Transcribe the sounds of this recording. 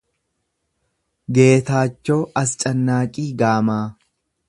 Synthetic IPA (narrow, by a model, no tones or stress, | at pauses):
ɡe̞ːt̪aːt͡ʃːoːʔɐst͡ʃʼɐnːaːkʼiːɡaːmaː